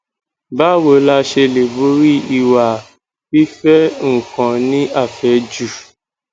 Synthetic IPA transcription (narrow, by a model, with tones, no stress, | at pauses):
ba˦wo˨˦la˧ʃe˧le˨bo˦ɾi˦i˧˨wa˨ | fi˦fɛ˦ŋ̩˨kã˨nĩ˦a˦˨fɛ˨˦d͡ʒu˨